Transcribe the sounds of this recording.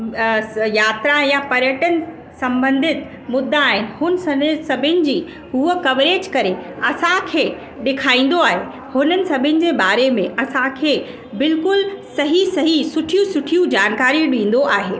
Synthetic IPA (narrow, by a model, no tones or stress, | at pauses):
jaːt̪ɾãjapɐɾjəʈənɪ̆ | sɐ̃mbə̃nd̪ʱɪt̪ | mʊd̪ʱːaːɦɪnɪ̆hʊnssɐbʱɪnɪ̆d͡ʑiː | ɦuəkɐʋɾeːd͡ʑkɐɾeɐsãkʰeː | ɗɪkʰaːĩːn̆d̪oaːɦe | hʊnənɪ̆sɐbʱɪnɪ̆d͡ʑeːbaːɾemẽʔɐsãkʰeː | bɪlkʊlsɐɦisɐɦisʊʈʰijũsʊʈʰijũd͡ʑaːnkaːɾiɗĩːn̆d̪oʔaːɦeː